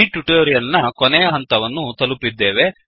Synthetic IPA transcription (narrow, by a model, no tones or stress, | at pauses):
iʈuʈoːɾijɐlnɐkonɛjɐɦɐnt̪ɐʋɐnːut̪ɐlupːid̪ːeːʋe̞